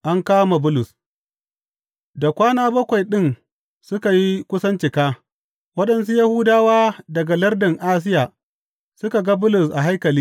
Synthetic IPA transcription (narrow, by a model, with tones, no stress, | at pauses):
ʔa˦ŋkaː˦ma˨bʊ˦lʊ˨s | da˨kʷaː˦naː˦bɐ˦kʷa˨jɗɪ˦n | sʊ˦ka˨ji˦kʷʊ˦sɐ˦nt͡ʃɪ˨kaː˦ | wɐ˦ɗɐ˨nsu˦ja˦hu˦daː˦waː˦dɐ˨ɡa˨lɐ˦rdɪ˨ŋʔaː˦s̬ɪ˦jaː˨ | sʊ˦ka˨ɡa˦bʊ˦lʊ˨sʔa˨ɦa˦jkɐ˨liː˦